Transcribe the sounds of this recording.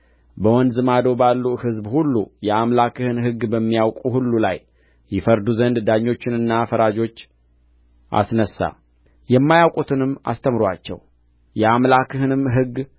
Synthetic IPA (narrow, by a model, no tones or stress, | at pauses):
bəwɔnd̪zɨmad̪o̞balːuhɨzbhulːujɛamlakʰɨhɨnɦɨɡːbəmːijawkʼuhulːula̰j | jɪfəɾd̪uzənd̪d̪aɲːo̞t͡ʃːɪnɨnːafəɾad͡ʒo̞t͡ʃː | ʔa̰snəsːa̰ | jɛmːajawkʼut̪ʰɨnɨmːa̰st̪ʰəmɾwat͡ʃːɛ̰w | jɛamlakʰɨhɨnɨmɦɨɡ